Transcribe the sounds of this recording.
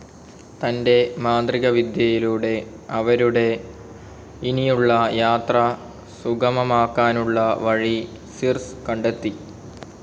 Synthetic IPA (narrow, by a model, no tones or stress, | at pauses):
t̪ɐnde̞maːnd̪riɣɐʋid̪jɐjiluɽe̞ | ɐʋɐɾuɽe̞ | inijuɭːɐjaːt̪rɐ | suɡɐmɐmaːkːaːnuɭːɐʋɐɻi | sirskɐɳɖet̪ːi